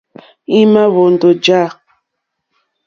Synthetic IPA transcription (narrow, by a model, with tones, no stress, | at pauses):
i˦ma˦βo˨n˨do˨d͡ʒa˦˨